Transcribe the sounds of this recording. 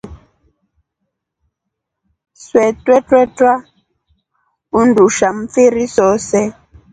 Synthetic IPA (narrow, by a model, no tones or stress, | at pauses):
swɛtwɛtwɛtwa | unduʃam̩fiɾisɔsɛ